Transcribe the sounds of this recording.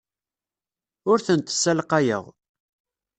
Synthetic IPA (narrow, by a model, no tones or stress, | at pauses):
ʊɾθənt̪sːælqajə̰ʁ